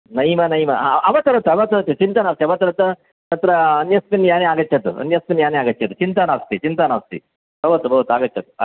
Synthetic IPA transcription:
nɐjmɐnɐjmɐʔɐʋɐt̪ɐɾɐt̪ɐɐʋɐt̪ɐɾɐt͡ʃ̪ːut͡ʃint̪ɐnaʋst̪iɐʋɐt̪ɐɾɐt̪ɐ | nɐt̪ɾɐːnjɐspinjaːneaːɡɐtːt͡ʃʰɐt̪ṵɐ̰njɐspinjaːneaːɡɐtːt͡ʃʰɐt̪ut͡ʃint̪anaːʋɐst̪it͡ʃint̪anaʋɐst̪ḭ | bɐʋɐt̪ubɐʋɐt̪uaːɡɐt͡ʃːt͡ʃʰːɐt̪u̥ɐ̰

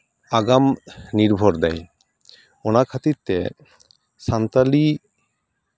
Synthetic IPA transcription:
aɡamniɾbʱɔɾd̪ɛj | onakʰat̪it̪ːe | sant̪ali

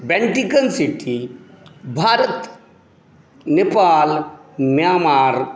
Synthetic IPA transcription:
beɳʈikɐnsiʈʰi | bʱaːɾət̪ | nepaːlmjaːmaːɾ

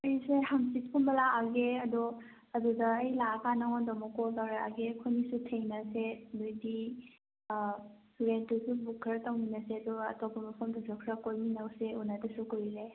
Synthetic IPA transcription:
ɐjsehamsit̚kʰunbɐlaːɡeɐdɔ | ɐdudɐːjlakanaŋɔndɔmɔkɔltaɾaa̰ɡekʰonisutʰejnɐsedojdi | ɾentusubukʰɾɐtawninɐseɐdɔɐ̰tɔbʰɐmɐpʰɔmdɔsɔkʰɾɐkojminawseunɐdɐsukoɾɾe

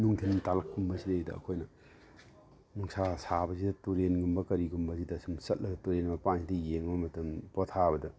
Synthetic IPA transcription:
nuŋtʰintalɐkːumbɐzidejdɐ̰ɐ̰kʰojnɐ | nuŋsʰasabɐzidɐtuɾenɡumbɐkɐɾiɡumbɐzidɐːsumsɐt̚lɐɡɐtuɾenbɐpansidɐjeŋbɐmɐtɐmpɔtʰabɐdɐ

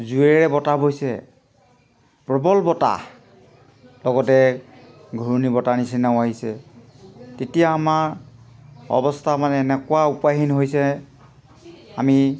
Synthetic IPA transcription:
zuɛɹɛbɔtabojsɛ̰ | pɹɔbɔlbɔta̰ | lɔɡɔtɛ | ɡʱuɹnibɔtanisinaʊ̃aɦisɛ | tetijaːmaɹ | ɔ̰bɔstʰamanɛːnɛkʊwaupaɦinɦojsɛ | ami

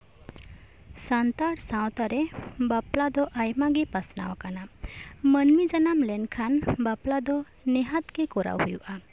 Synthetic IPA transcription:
sant̪aɽsãwt̪aɾɛbaplad̪ɔʔajmaɡɛpasna̰wakanamənmid͡ʒanamlɛnkʰanbaplad̪ɔ | nɛɦat̪kɛkɔɾa̰whujuʔa

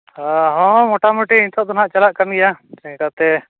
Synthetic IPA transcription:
aɦɔ̃mɔʈamuʈiːɲt̪ʰɔʔd̪ɔnɦaʔt͡ʃalaʔkamɡɛjaɛkat̪ɛ

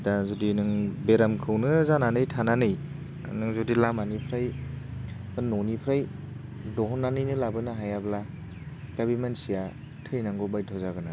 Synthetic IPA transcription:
dazodinɯŋbeɾamkʰɯwnɯzananɯjtʰananɯj | nɯŋzodilamanipʰɾaj | banːonipʰɾaj | dɔɦɔnːanɯjnɯlabɯnɯɦajabla | kabimansija | tʰɯjnaŋɡɔbajtʰɔzaɡɯna

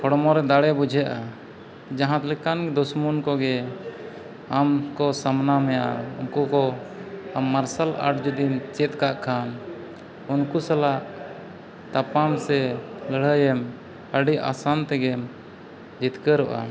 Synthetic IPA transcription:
kʰɔɽmɔɾɛd̪aɽɛbud͡ʒʱaʔa | d͡ʒaɦãt̪lɛkanɡɛd̪ɔsmunkɔɡɛ | amkɔsamnamɛja̰unkukɔ | amːaɾsalʔa̰ʈd͡ʒud̪imt͡ʃɛt̪̚kaʔkʰan | unkusalaʔ | t̪apamsɛləɽ̤əjɛm | əɖiʔʔa̰sant̪ɛɡɛm | d͡ʒit̪kəɾɔʔa̰

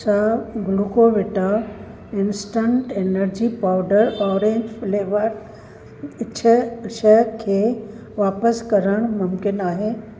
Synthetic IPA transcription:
saɡlukoʋɪʈa | ɪnsʈə̃ɳʈenəɾd͡ʑipaʊɖəɾɔːɾẽɲd͡ʑfleːʋəɾ | ɪt͡ɕʰəʃəkʰeː | ʋaːpəskɐɾəɽ̃mʊmkɪnaːɦeː

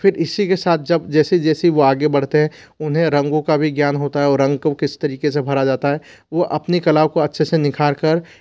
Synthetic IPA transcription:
pʰɪɾɪsikesaːt̪̚ʰd͡ʒɐbd͡ʒɛːsed͡ʒɛːseʋoaːɡebɐɽ̤t̪eɦɛ̃ | ʊnɦẽɾɐ̃ŋɡõkabʱiɡjaːnɦoːt̪aɦɛɔːɾːɐ̃ŋɡkokɪst̪ɐɾiːkesebʱɐɾad͡ʒaːt̪aɦɛ | ʋoʔɐpnikɐlaːbkoɐtːʃʰesenɪkʰaːɾkəɾ

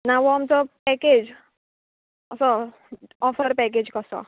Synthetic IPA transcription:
naʋɔamt͡sɔpɛked͡ʒ | ʌsɔ | ɔfəɾpɛk̬ed͡ʑkɔsɔ̰

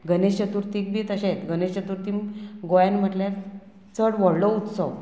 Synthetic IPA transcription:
ɡənesɕət̪uːɾt̪ik̚bʱiːt̪əɕẽt̪ɡənesɕət̪uɾt̪imɡojanm̤əʈljaɾ | t͡səɽʋɔɽlɔut̪sɔw

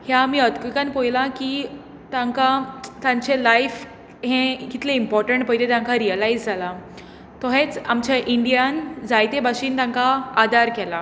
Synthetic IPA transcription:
hjaːmiːəd̪kikanpojlãkiː | t̪ãŋkat̪ãɲt͡ɕelajf | ɦẽkit̪ʰleimpɔɾʈəɳʈpəjt̪et̪ãŋkaɾiəlaid͡zd͡zʱala | t̪ɔɦẽt͡samt͡ɕaʔiɳɖijand͡zajt̪ebaɕiːnt̪ãŋkaːd̪ʱaɾkɛla

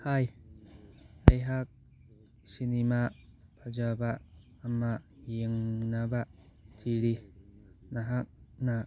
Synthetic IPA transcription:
haj | ɐjɦak̚ | sinimaʔpʰad͡ʒabaʔː | mːajeŋnabatʰiɾi | naɦak̚na

